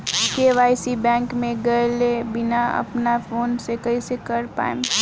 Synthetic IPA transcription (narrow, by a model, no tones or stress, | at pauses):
keʋaːɪsibɛ̃ːŋkmẽɡɐlebɪnaɐ̰pnafoːnsekɐisekɐɾpa̰ːɪm